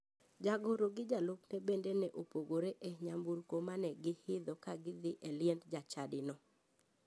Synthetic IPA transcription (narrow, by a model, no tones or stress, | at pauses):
d͡ʒaɡoɾoɡɪd͡ʒaloknɛbendenɛʔopoɡoɾeʔɛɲambuɾkomanɛɡɪhɪd̪ɔkaɡɪd̪ɪʔɛljɛndd͡ʒat͡ʃadɪnɔ